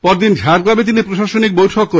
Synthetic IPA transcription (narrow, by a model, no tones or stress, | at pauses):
pɔɾd̪ind͡ʑʱaɾɡlabet̪inipɾoʃaʃonik̚bojʈʰokːo